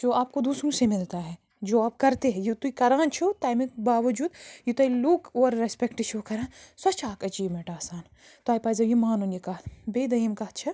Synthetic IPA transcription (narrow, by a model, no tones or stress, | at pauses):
d͡ʒoːaːp̚kod̪uːsɾũsemɪlt̪aɦɛ | d͡ʒoːaːp̚kɐɾt̪eɦɛ̃jut̪uikɐɾaːnt͡ʃʰut̪aːjmɪkbaːʋɐd͡ʒuːd̪jut̪ɐːilukoːɾːespekʈɪʃuːkɐɾãːnsɐt͡ʃaːkɐd͡ʒiːʋmẽːʈaːsaːn | t̪oaːipaːzɐjimaːnonjikɐɦbeːd̪ɐimkɐɦtt͡ʃʰɐ